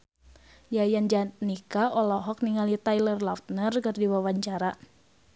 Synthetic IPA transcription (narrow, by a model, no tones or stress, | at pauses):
jajand͡ʒanikaʔɔlɔɦɔk̚niŋalit̪ajlərlaft̪̚nərkɨrdiwawaɲt͡ʃaɾa